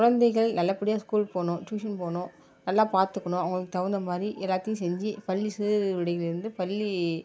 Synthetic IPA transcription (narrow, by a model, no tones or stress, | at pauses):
kʊɻɐnd̪ɐɪɣɐɭnɐlːɐpːɐɽɪjaːskuːlpoːnʊ̃ːʈjuːʂɐnpoːnʊ̃ː | nɐlːaːpaːɾt̪ɯkːɐɳʊ̃ːɐʋɐŋɡɐɭɯkːɯt̪ɐʋɐɾnd̪ɐmaːd̪ɾiʔɛlːaːt̪ːɪjʊ̃sɛɲd͡ʒɯpɐlːisiːɾʋɪɽɐjɣɪlɪɾɯnd̪ɯpɐlːi